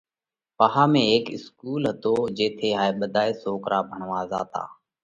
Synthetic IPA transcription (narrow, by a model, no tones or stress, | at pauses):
paɦaːmẽːeːkɪskuːlɦət̪oːd͡ʒeːt̪ʰeːɦaːeːɓəd̪ʱaːeːsoːkɾaːbʱəɳʋaːza̰ːt̪a̰ː